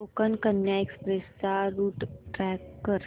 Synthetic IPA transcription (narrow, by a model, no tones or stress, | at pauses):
oːkənkənjaekspɾesaɾuːʈʈɾɛːkːəɾ